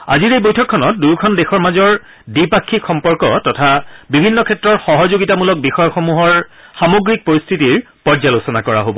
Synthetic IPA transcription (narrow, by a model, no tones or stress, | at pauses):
a̰ziɹejbojtʰɔkʰːɔnɔt̚duɹkʰɔndexɔɹmazɔɹ | dipakʰːikxɔmpɔɹkɔ̰tɔtʰabibʱinːɔkʰɛtːɹɔɹxɔɦɔzoɡitamulɔk̚bixɔjɔxɔmuɦɔɹ | xamoɡɹik̚poɹist̪ʰitiɹ | pɔɹzalosɔnakɔɹa̰ɦobɔ̰